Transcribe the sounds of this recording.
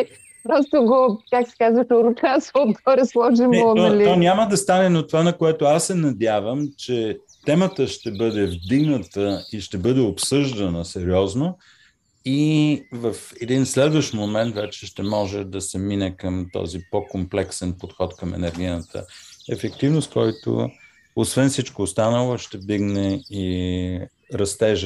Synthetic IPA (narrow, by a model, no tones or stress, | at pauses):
pɾɔst̪oɡokaksɛ̥kazvətoɾut̪asot̪ɔɾɛslˠɔʒimɛɔliɔnʲaməd̪ɐst̪anɛnot̪ovanɐkoɛt̪oasːɛnɐd̪ʲjavəmt͡ʃɛ | t̪ɛmət̪əʃt̪ɛbɤd̪ɛvd̪iɡnət̪əiʃt̪ɛbɤd̪ɛopsɤʒd̪ənəsɛɾiɔzno | ivɐfɛd̪inslɛd̪vəʃt̪momɛnt̪vɛt͡ʃɛʃt̪ɛmɔʒɛd̪ɐsɛminɛkəmt̪ɔ̰zipokomplɛksɛnpot̪xɔt̪kəmɛ̰nɛɾɡ̟iət̪ə̰ɛfɛkt̪ivnost̪̚kɔjt̪o̰ | osvɛnfsit͡ʃkoːst̪anəlˠoʃt̪ɛvd̪iɡnɛi | ɾɐst̪ɛʒə